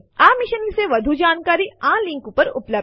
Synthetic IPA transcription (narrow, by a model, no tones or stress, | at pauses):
amiʃənʋiseʋəd̪ʱud͡ʒaːnkaɾiãlĩŋkupəɾuplə